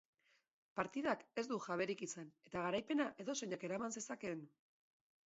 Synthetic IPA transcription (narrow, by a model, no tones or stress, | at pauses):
paɾt̪iðake̞zd̪uxaβ̞e̞ɾikit͡sene̞t̪aɣaɾajpe̞naʔe̞ðo̞se̞ɲake̞ɾamanse̞sake̞n